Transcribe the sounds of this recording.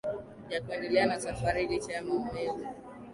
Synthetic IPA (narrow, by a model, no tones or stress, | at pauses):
jakuandɛlɛanasafaɾilit͡ʃaamamɔjɛzu